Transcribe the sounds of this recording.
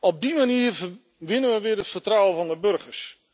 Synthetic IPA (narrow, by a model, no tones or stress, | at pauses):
ɔb̚dimaniːr | ʋɪnənʋəʋɪərətfərtrawəvɔndəbørχərs